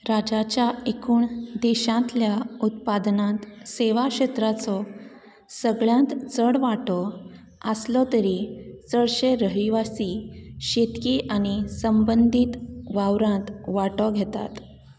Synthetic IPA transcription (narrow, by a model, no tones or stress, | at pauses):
ɾad͡ʑat͡ɕjaekuːɳd̪eɕãt̪ljaut̪̚pad̪nãt̪seʋakɕet̪ɾat͡sɔ | səɡɭjãt̪t͡səɽʋaʈɔ | əslɔt̪əɾit͡səɭɕeɾəɦiʋasiɕet̪kiːʔaɽ̃isəmbənd̪ʱit̪ʋawɾãt̪ʋaʈɔɡʱet̪a̰t̪